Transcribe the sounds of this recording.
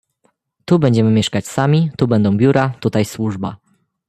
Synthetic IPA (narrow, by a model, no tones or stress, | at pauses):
t̪ubɛɲd͡ʑɛmɘmʲjɛʂkat͡ɕsamʲit̪ubɛnd̪ɔ̃w̃bʲjuɾat̪ut̪ajswuʐba